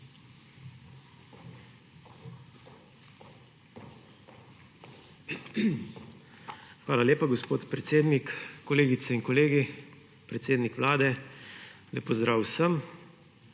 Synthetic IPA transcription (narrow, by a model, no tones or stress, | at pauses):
xʋaːlalʲeːpaɡospoːt̪pɾɛt̪seːd̪nikkːɔleːɡit̪sɛiŋkɔleːɡi | pɾɛt̪seːd̪nikʋlaːd̪ɛ | lɛpɔzd̪ɾaːwsəm